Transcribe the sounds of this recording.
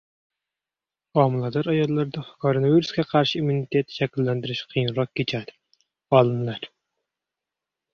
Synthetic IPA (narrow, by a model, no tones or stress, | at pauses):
ɑmɨlˠɑd̪ɑɾɑjɑlˠːɑɾd̪ɑkʰoɾonɑviɾuskʲɛqʰɑɾʃiymunit̪ʰet̪ːʃɛkʲilːɛnd̪ɪɾɪʃqʰijnɾɑq̚kʲet͡ʃʰæd̪ɪ̥ | ɑlˠɨnlˠɑɾ